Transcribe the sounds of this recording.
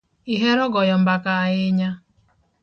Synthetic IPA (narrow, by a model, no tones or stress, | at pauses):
iɦeɾɔɡɔjɔm̩bakaaɣɪɲa